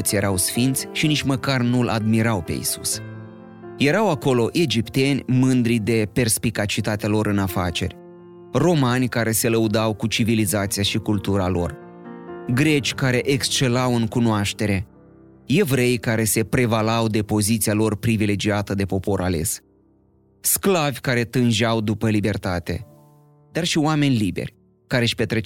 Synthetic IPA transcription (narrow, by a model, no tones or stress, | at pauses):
t̪sʲje̞ɾawsfint̪sʲʃinit͡ʃʲməkarnulʔa̰d̪miɾawpe̞̰jḭsus | je̞ɾawako̞lo̞ʔe̞d͡ʒipt̪e̞nʲmɨnd̪ɾid̪e̞pe̞rspikat͡ʃit̪at̪ealo̞ɾɨnafa̰t͡ʃe̞̰rʲ | ro̞manʲkaɾe̞se̞ləud̪awkut͡ʃivilizat̪siaʃikult̪uɾalo̞̰r | ɡɾe̞t͡ʃʲkaɾe̞ʔekst͡ʃe̞lawɨŋkunoaʃt̪e̞ɾe̞ | je̞vɾe̞jkaɾe̞se̞pɾe̞valawd̪e̞po̞zit̪sialo̞rpɾivile̞d͡ʒiat̪əd̪e̞po̞po̞ɾʔale̞̰s | sklavʲkaɾe̞t̪ɨnʒawd̪upəlibe̞rt̪at̪e̞̰ | d̪arʃioame̞nʲlibḛrʲ | kaɾeʃpe̞t̪ɾe